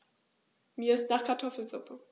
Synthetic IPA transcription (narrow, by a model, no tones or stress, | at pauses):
miːɐɪstnaːχkʰaɐtʰɔfl̩zʊpʰə